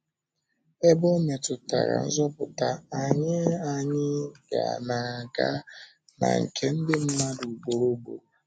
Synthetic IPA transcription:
e˦bɔ˦me˨tʊ˨ta̰˨ɾa̰˨n̩˦zɔ˦pʊ˨ta˦a˨ɲɪ˦a˨ɲɪ˦ɡa̰˨na˨a˨ɡa̰˦ | na̰˨ŋ̩˨kʰe˦n̩˦dɪ˦m̩˦ma˦du˨ɡ͡bo˨ɾo˦bo̰˨

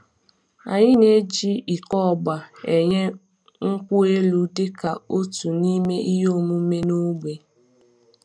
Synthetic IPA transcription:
a̰˨ɲɪ˦ne˦d͡ʒi˦i˨kɔ˦ɔ˨ɡ͡ba˨e˨ɲe˦ | ŋ̩˦kʷʊ˦e˦lu˦dɪ˦ka˨o˦tu˨ni˦me˦ʔi˦ɦo˦˨mu˦me˦nu˦ɡ͡be˨

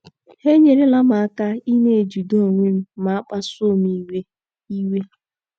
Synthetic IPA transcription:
he˦ɲe˨ɾe˦la˦ma˨a˦ka˦i˦ne˦˨d͡ʒu˨do˦˨ŋʷe˦m̩˦ma˨a˦k͡pa˦so˦˨mi˦we˦ | i˦we˦

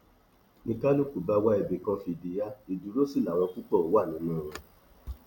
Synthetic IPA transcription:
nĩ˧ka˦lo˦ku˨ba˧wa˧˦e˨be˨kã˧fi˧˨di˨˦ja˦i˨du˨˦ɾo˦si˦˨la˨w̃ɔ̃˧ku˦k͡pɔ˦˨o˨˦wa˦˨nĩ˨˦mã˦˨ɾ̃ɔ̃˧

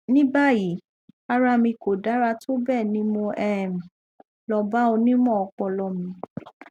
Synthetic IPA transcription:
nĩ˦ba˦˨ji˨˦ | a˧ɾa˧mĩ˧ko˨da˨˦ɾa˧to˦bɛ˦˨nĩ˨˦mõ˧ʔɛ˦˨m̩˨ | lɔ˧ba˦o˧nĩ˦mɔ̃˦˨ɔ˧k͡pɔ˧lɔ˧mĩ˧

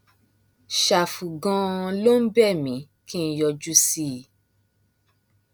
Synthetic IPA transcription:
ʃa˨fu˨ɡã˧lo˦n̩˦bɛ˦˨mĩ˨˦ | kĩ˦˧˦jɔ˧d͡ʒu˦si˦˨

